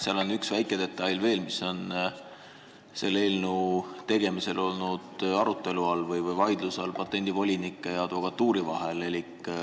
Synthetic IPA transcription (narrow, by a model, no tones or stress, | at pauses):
seɑlo̞nyksvæjkːˑed̪̥e̞t̪ˑːɑjlve̞ːlmiso̞n | se̞lːe̞ːlnuːt̪e̞ɡ̥e̞mise̞lo̞lnud̪̥ɑɾut̪ːˑe̞luɑlvɤjvɤjvɑjd̪lusɑlpɑt̪ːˑe̞nʲd̪̥ivo̞lʲinikːˑejɑɑd̪̥vo̞kɑt̪ːˑuːɾivɑɦe̞le̞likːˑ